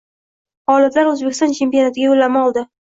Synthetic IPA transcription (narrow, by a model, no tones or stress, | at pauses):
hɒlɪt̪laɾɵzbekʲɪst̪ɒnt͡ʃʰe̞mpijonat̪ʰɪɡʲaolːamɒlˠd̪ɪ